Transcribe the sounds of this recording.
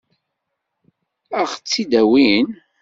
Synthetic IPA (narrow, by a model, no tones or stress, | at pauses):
æʁt͡sːid̪æwin